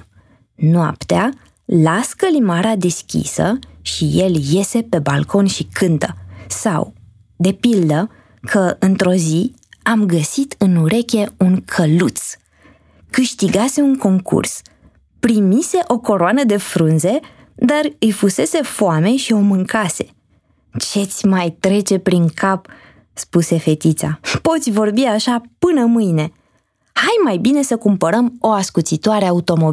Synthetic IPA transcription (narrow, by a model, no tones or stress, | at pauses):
noa̰pt̪ea | laskəlimaɾad̪e̞skʲḭsə̰ʃije̞lje̞se̞pe̞balkʰo̞nʃikʰɨnt̪əsa̰w | d̪e̞pild̪ə | kʰəɨnt̪ɾo̞zi | amɡəsit̪ɨnuɾe̞kʲe̞uŋkʰəlut̪s | kɨʃt̪iɡase̞uŋko̞ŋkṵrs | pɾimise̞ʔo̞ko̞ɾoanəd̪e̞fɾunze̞ | d̪arɨjfuse̞se̞foame̞ʃio̞mɨŋkase̞̥ | t͡ʃe̞t̪sʲmajt̪ɾe̞t͡ʃe̞pɾiŋkʰap | spuse̞fe̞t̪it̪sa̰po̞t̪sʲvo̞rbiaʃapɨnəmɨjne̞ | hajmajbine̞səkumpəɾəmo̞askut̪sit̪oaɾe̞aut̪o̞mob